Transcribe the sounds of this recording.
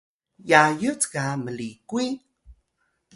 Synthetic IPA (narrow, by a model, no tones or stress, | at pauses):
jajət͡skaməlikwi